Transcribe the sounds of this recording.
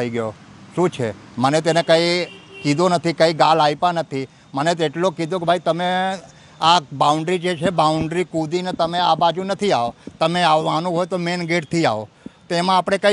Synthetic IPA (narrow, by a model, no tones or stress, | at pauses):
əiɡəjoʃũt͡ʃʰḛmənet̪enekəikid̪onət̪ʰikəiɡalajpãnət̪ʰi | mənet̪eʈlokid̪okbʱait̪əme | abauɳɖɾid͡ʒet͡ʃʰebauɳɖɾikud̪inet̪əmeabad͡ʒũnət̪ʰiaot̪əmeaʋːanũɦojt̪omenɡeʈt̪ʰia̰ʋo̰t̪oemãapɽ̃ekə